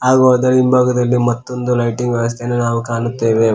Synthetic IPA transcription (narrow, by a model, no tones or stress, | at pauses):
aːɡoːd̪ɐɾimbʱaːɡɐd̪ɐlːimɐt̪ːo̞nd̪ulɐjʈiŋɡʋɐʋɐs̬t̪ʰenenaːʋukaːnut̪ːeːʋe